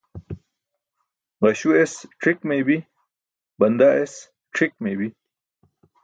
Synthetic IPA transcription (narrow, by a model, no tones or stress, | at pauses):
ʁɐɕuesʈʰikmebi | bɐnd̪aʔes | ʈʰik̚mebi